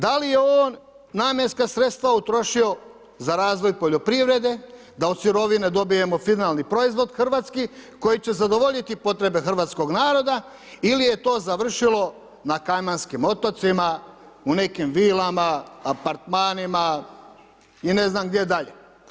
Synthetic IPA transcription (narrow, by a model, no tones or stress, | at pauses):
d̪alijeoːnː | aːmje̞nskasɾet̪st̪ʋaut̪ɾo̞ʃio̞ | zaɾaːzʋo̞jpo̞ʎo̞pɾiʋɾe̞d̪e̞ | d̪aod̪suɾo̞ʋined̪o̞bije̞mo̞finalˠnipɾo̞izʋo̞d̪xr̩ʋaːt̪skiko̞jit͡ɕe̞zad̪o̞ʋo̞ʎit̪ipo̞t̪ɾe̞be̞xr̩ʋaːt̪sko̞ɡnaːɾo̞d̪a | ilije̞t̪o̞ːzaʋr̩ʃilo̞ | nakajmanskimo̞t̪ot̪sima | une̞kimʋiːlamaːpaɾt̪maːnima | ine̞znamɡd̪jed̪aʎe